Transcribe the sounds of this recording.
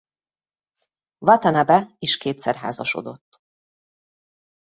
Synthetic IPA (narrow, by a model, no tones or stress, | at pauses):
vɒt̪ɛnɛbɛiʃkeːt̪sɛrɦa̰ːzɒʃo̰d̪o̞t̪ː